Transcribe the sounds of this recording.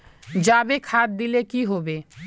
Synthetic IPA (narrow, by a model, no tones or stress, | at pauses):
d͡ʑabekʰat̪̚d̪ilekiɦobe